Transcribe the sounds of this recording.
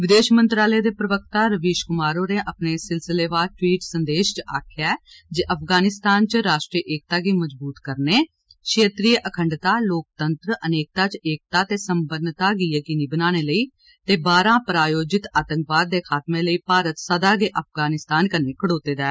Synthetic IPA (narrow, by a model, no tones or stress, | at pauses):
ʋɪd̪eːʃmənt̪ɾaːleːd̪eːpɾəʋək̚t̪aːɾəʋeːʃkʊmaːɾoːneːʔəpneːsɪlsɪleːʋaːɾʈwiːʈsənd̪eːʃt͡ʃəaːkʰjaɛ | d͡ʒeʔəpʰɡaːnɪst̪aːnt͡ʃəɾaːʃʈɾiʔeːk̚t̪aːɡiːməd͡ʒbuːt̪kəɾneː | kʰeːt̪ɾiːəʔəkʰəɳɖt̪aːloːk̚t̪ənt̪ɾəəneːk̚t̪aːt͡ʃeːk̚t̪aːt̪eːsəmbəɾnt̪aːɡiːjəkiːniːbənaːñeːləiː | t̪eːbaːɾãːpɾaːjoːd͡ʒɪt̪aːt̪ə̃ŋkʋaːd̪̚ːeːkʰaːt̪mẽːləiːpaːɾət̪səd̪aːɡeːʔəp̚ʰɡaːnɪst̪aːnkəɾneːkʰəɽoːt̪eːd̪aː